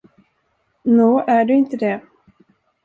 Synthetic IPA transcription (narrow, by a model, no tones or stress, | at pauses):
noːʔæɖɵɪnt̪əd̪ɛ